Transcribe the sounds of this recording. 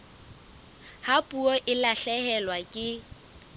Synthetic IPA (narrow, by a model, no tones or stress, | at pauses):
hapʼuɔʔɪlaɬɛhɛlwakʼɪ